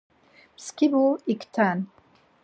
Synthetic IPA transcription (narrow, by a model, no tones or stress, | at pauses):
skibuikt̪ʰan